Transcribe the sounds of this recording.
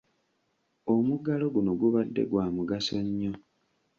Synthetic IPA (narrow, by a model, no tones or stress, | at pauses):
omuɡalo̞ɡuno̞ɡuβadːe̞̰ɡwaːmuɡasoɲːo